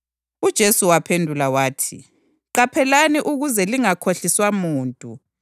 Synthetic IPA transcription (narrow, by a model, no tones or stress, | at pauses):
ud̥ʒ̥ʱesuwapʰendʱulawaːtʰi | ǃapʰɛlaniʔuɣuzɛliŋakʰoɬiswamuːntʼu